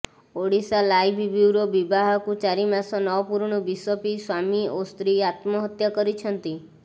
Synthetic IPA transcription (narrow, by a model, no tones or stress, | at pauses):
oɽisalajbʱbiwɾobibaɦɔkut͡ʃaɾimasɔnɔʋpuɾɳ̃ɔbiswɔpiswamiost̪ɾiat̪mɔɦət̪jakɔɾit͡ʃʰənt̪i